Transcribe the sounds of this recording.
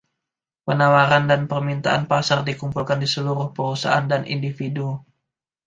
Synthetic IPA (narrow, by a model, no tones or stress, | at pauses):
pənawaɾandanpərmint̪aʔanpasardikumpulkandisəluɾʊhpəɾusa̰ʔandanʔḭndifidu